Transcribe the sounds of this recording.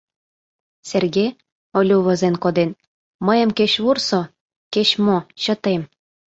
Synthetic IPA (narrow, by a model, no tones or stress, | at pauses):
serɣe | olʲuβəzenkod̪en | məjə̆mkeɕβurso | keɕmoɕə̆t̪em